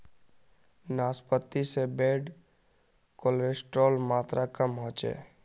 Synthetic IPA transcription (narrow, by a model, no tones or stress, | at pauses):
naːspət̪ːisebeːɖ | kolɾesʈɾoːlmaːt̪ɾʔakəmɦõːt͡ʃḛː